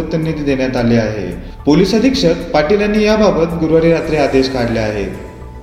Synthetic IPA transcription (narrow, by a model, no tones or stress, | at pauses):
t̪ənːit̪d̪eɳjat̪aleaɦḛ | poliːsəd̪ʱikʂəkpaʈilanːiːjababət̪ɡuɾʋaɾiɾat̪ɾead̪eɕkaɽleaɦḛ